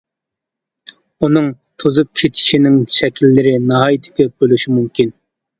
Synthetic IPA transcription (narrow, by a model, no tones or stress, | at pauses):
unɨŋ | t̪ʰozup̚kʲʰet̪ʰi̥ʃinɪŋʃɛkʲilːɪɾɪnɑɦɑːjit̪ʰɪ̥kʲɛbølyʃimumkʲʰin